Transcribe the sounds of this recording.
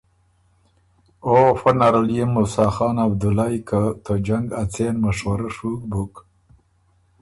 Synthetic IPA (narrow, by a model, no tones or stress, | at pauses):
ofanaɾaljemːʊsɑːxɑːnab̚d̪ulajkat̪ʰəd͡ʒaŋɡat͡senmaʂwɐɾaʂuk̚buk